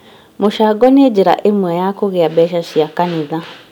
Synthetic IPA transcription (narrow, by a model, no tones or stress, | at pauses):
moʃaːɡɔned͡ʑeɾa̰ʔemwɛjakoɣeabɛʃaʃiakaneða